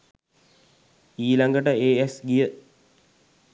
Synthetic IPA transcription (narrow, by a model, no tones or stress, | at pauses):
iːlaŋɡəʈəeːesɡijə